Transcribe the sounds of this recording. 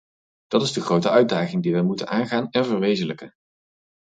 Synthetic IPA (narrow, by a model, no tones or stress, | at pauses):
d̥ɑtɪzdəχrowtəœɥt̚daːχɪŋdiʋɛjmutə̰naːnχaːnɛnvəɹʋejzələkə